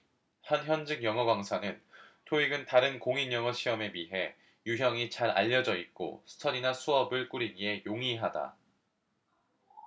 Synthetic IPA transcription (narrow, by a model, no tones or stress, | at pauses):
hʌnçjʌnd͡ʑiŋjʌŋʌɡwaŋsʰanɯntʰoiɡɯntaɾɯnkoŋinjʌŋʌɕʰiʌme̞miɦe̞ | juɦjʌŋit͡ɕaɾa̰ʎːʌd͡ʑʌik̚k͈o̰sʰɯ̥tʰʌɾinasʰuʌbɯɭk͈uɾiɡie̞joŋiɦada̰